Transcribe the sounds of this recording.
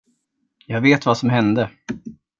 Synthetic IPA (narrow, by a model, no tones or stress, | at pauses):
jɑːɡveːt̪vasɔmɦɛnd̪ə